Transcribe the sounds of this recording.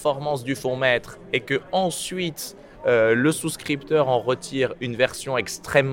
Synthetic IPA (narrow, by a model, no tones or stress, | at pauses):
fɔʁmɑ̃s̬d̪yfɔ̃mɛt̪χ | ekəɑ̃sɥit̪ | øləsuskχipt̪œʁɑ̃ʁət̪ʰiʁynvɛʁsjɔ̃ɛkst̪χɛmː